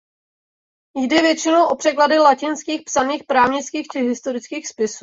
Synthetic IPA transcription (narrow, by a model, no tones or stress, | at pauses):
jdɛvjɛt͡ʃɪnowʔo̞pr̝̥ɛkladɪlacɪnskiːxpsaniːxpɾaːvɲɪt͡skiːxt͡ʃɪɦɪst̪o̞ɾɪt͡skiːxspɪsu